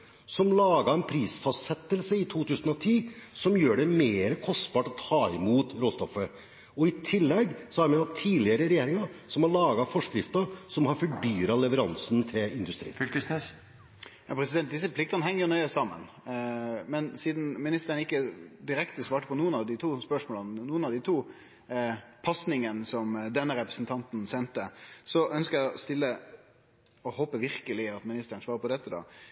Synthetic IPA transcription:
sɔmlɑːɡɑɛnpʰɾiːsfɑst̪sɛt̪ːəlsəɪt̪ʰuːt̪ʉːsənɔt̪ʰiːsɔmjøːɖɛmeːɾəkʰɔst̪bɑːʈɔt̪ʰɑːɪmuːt̪ɾoːst̪ɔfə | ɔɪt̪ʰɪlːɛɡsɔhɑɾmɛɑt̪ʰːiːlɪəɾəɾɛjeːɾɪŋɑsɔmhɑɭɑːɡɑfɔʂkɾɪft̪ɑsɔmhɑɾfɔɖyːɾɑlɛʋəɾɑnsnt̪ʰɪlɪnd̪ʉst̪ɾḭːfkəsʉ | jɑpʰɾɛsɪd̪ɛnt̪̚d̪ɪsːəpʰlɪk̚t̪ɑnəɦɛŋːəɾjʊnœʏəssɑmːə̰n | mɛnsiːd̪n̩mɪnɪst̪əɾəɳəɪkːəd̪ɪɾɛkt̪əsʋɑːʈəpʰɔnuːənɑʋd̪ɪt̪ʰuːspœʂmoːlənnuːənɑʋd̪ɪt̪ʰuː | pʰɑsnɪŋənsɔmd̪ɛnːəɾɛpɾəsn̩t̪ʰɑnt̪nsɛnt̪əsɔʔœnskəɾjæɪɔst̪ɪlːə | ɔhoːpəʋɪɾkəlɪɑt̪mɪnɪst̪əɾəɳn̩sʋɑːɾəɾpʰɔd̪ɛt̪ːəd̪ɑ̰

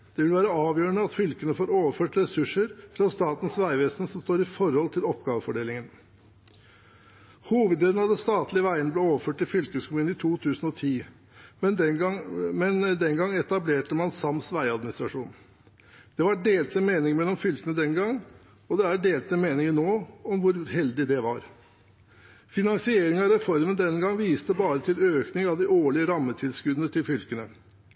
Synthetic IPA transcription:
d̪̥ɛʋɪlʋæːɾəɑːʋjøːəɳəɑt̪fʏlkənəfoːɾoːʋəføːʈɾɛsʉʂəɾfɾɑst̪ɑːt̪n̩sʋæɪʋɛsnsɔmst̪oːɾɪfɔɾhɔlt̪ʰɪlɔpɡɑːʋəfɔɖeːlɪŋən | huːʋəd̪leːd̪n̩hɑd̪əst̪ɑːt̪lɪəʋæɪənəblɛːoːʋəføːʈɪlfʏlkəskʰʊmʉːnɪt̪ʰuːt̪ʰʉːsən̩ɔt̪ʰiː | m | mɛnd̪ɛŋɡɑŋːɛt̪ɑbleːʈəmɑnsɑmsʋæɪɑd̪mɪnɪst̪ɾɑʂuːn | d̪̥ɛʋɑɖeːlt̪səmeːnɪŋmɛlːɔmfʏlt̪ənəd̪ɛnɡɑŋː | ɔd̪ɛæɖeːlt̪ɛmeːnɪŋənnoːɔmʋʊɾɦɛld̪ɪd̪ɛʋɑɾ | fɪnɑŋsɪeːɾɪŋɑɾɛfɔɾmənd̪ɛnɡɑŋʋiːst̪əbɑːɾət̪ʰɪløːknɪŋɑʋd̪ɪoːɭɪəɾɑmːət̪ʰɪlskʉd̪ənət̪ʰɪlfʏlkənə

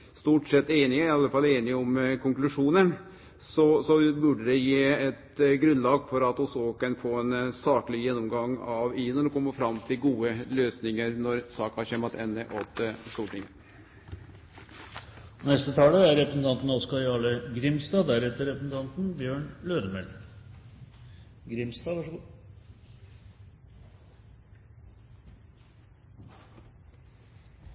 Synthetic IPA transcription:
st̪uːʈsɛt̪ːeːnɪɪɑlːəfɑlːəeːnɪɔmkʰʊŋklʉʂuːnə | sɔsɔbʉɖəd̪ɛjeːɛt̪ɡɾʉnlɑːɡfɔɾɑt̪ɔsoːkənfoːɛnsɑːkəlɪjɛnːɔmɡɑŋɑʋiːnəd̪ɔkʰɔmːəfɾɑmt̪ʰɪlɡuːəløːsnɪŋəɾnɔɾsɑːkhɑɾçeːmɑt̪ʰɛnːəʔɔt̪əst̪uːʈɪŋː | ɔnɛst̪ət̪ʰɑːləæɾɾɛpɾəsn̩t̪ʰɑnt̪n̩ɑɔskɑjɑːləɡɾɪmst̪ɑːd̪æɾɛt̪ːəɾɛpɾəsn̩t̪ʰɑnt̪n̩bjøːɳløːɾəmɛl | ɡɾɪmst̪ɑːʋɑʂɡ

